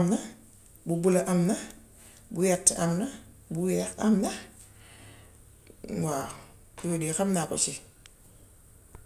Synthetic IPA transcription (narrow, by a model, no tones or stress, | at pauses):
mna | bubulaʔamna | bujɛtːamna | buwɛxamna | ŋwa | kjodixamnako̰t͡ʃi